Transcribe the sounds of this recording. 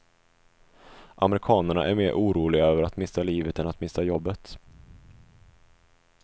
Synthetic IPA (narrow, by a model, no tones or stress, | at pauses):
ʔamɾɪkʰɑːnəɳa̰ʔæ̰ɾmeːɾʔuːɾuːlɪɡaøːvəɾat̪mɪsːaliːvət̪ɛnat̪mɪsajɔbːət̪